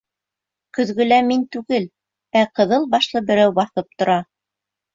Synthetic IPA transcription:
kɵ̆ðɡɵ̆læmint̪ʉɡɘl | æqɤ̆ðɤlˠbɑʃlˠɤbɘ̆ɾæwbɑθɤp̚t̪ŏɾɑ

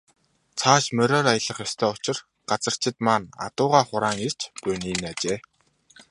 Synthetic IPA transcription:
t͡sʰaːʃmœɾʲɔːɾajə̆ɮə̆χjɔst̪ʰæːʊt͡ɕɪ̆r | ɢ̥at͡sə̆r̥t͡ɕʰɪ̆t̪maːna̰t̪ʊːʁaːχʊɾaːŋir̥t͡ɕpʊniːnat͡ɕeː

